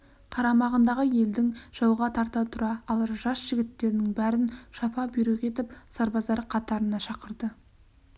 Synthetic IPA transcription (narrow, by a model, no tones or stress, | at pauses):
qʰɑɾɑmɑʁənd̪ɑʁəje̞ld̪ɪŋʒ̥ɑwʁɑt̪ʰɑɾt̪ɑt̪ʰʊɾɑːlˠɑɾʒɑsʒ̥ɪɡʲɪt̪ːe̞ɾɪnɪŋbæɾɪnʃɑpɑbʏjɾɪqʲe̞t̪ɪpsɑɾbɑzd̪ɑɾqʰɑt̪ɑɾənɑʃɑqəɾd̪ə